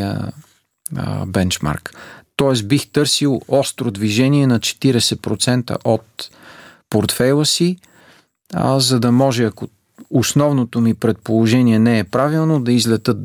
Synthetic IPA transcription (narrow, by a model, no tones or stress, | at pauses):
ə̰ | bɛnt͡ʃma̰ɾkt̪ɔɛsbixt̪ɤɾsilˠɔst̪ɾod̪viʒɛniɛnɐt͡ʃɛ̥t̪iɾɛsɛpɾot̪sɛnt̪ə̰ʔot̪ | poɾt̪fɛjlˠəsi | zɐd̪ɐmɔʒɛɐko | ʊsnɔvnot̪omipɾɛt̪̚polˠoʒɛniɛnɛɛpɾavilˠnod̪ɐizlɛt̪ɤt̪